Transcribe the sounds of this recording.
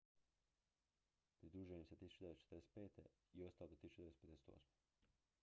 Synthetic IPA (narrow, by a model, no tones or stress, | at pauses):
pɾid̪ɾuːʒuemset̪isu̥t͡ʃud̪eest͡ʃe̥t̪ɾese̥t̪̚peːt̪ḛ | io̞st̪aːld̪ot̪isut͡ʃud̪est̪ped̪ese̥t̪o̞̰sme